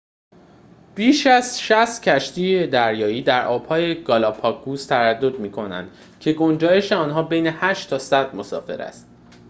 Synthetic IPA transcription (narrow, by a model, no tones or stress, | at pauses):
b̥iːʃæzʃæst̪cʰæʃt̪ʰijed̪æɾjɒːiːd̪æɾʔɒːb̥hɒːjeɡ̥ɒlɒpʰɒk̚ɡuːst̪ʰævæd̪ːo̞d̪miːkʰo̞næ̰nd̪̥ | cʰe̞ɡo̞nd͡ʒɒːje̞ʃeɒːnɦɒːbejne̞hæʃt̪ʰːɒːsæd̪̥̚mo̞sɒ̰ːfe̞̰ɾæ̰st̪̚